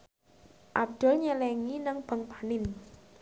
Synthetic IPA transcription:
ʔab̚d̪̥ɔ̤lɲəlɛŋinəŋb̥ə̤ŋpanɪn

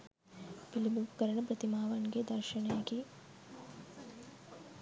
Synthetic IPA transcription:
pilibuʋkɐɾɐɳɐpɾɐt̪imaːʋanɡed̪ɐɾʃɐɳɐjaːɡi

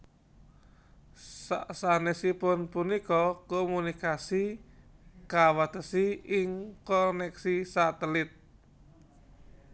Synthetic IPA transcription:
asanesipʊnpunikɔkomunikasi | kawat̪əsiɪŋkɔnɛksisat̪əlɪt̪̚

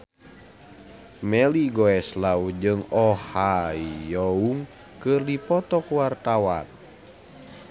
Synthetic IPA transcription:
mɛliɡɔɛslaud͡ʒɨŋɔhaijɔuŋ | kɨrdipɔt̪ɔkwart̪awan

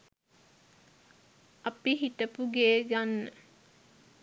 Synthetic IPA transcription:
ɐpiɦit̪əpuɡeːɡanːə

